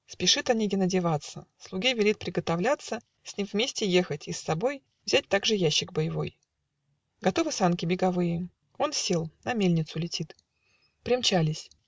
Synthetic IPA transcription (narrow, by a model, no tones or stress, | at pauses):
spʲɪʂɨt̪ɐnʲeɡʲɪnədʲɪvat̪səslˠʊɡʲivʲɪlʲit̪̚pɾʲɪɡət̪ɐvlʲat̪sːə | sʲnʲimvmʲesʲtʲɪje̞xətʲisːɐbo̞j | vzʲæt̚ʲt̪aɡʐɨjæɕːɪɡ̚bəjɪvo̞̰j | ɡɐt̪o̞vɨsankʲɪbʲɪɡɐvɨjɪ | o̞nsʲe̞lˠnɐmʲelʲnʲɪt̪sʊlʲɪtʲit̪ | pɾʲɪmt͡ɕælʲɪsʲ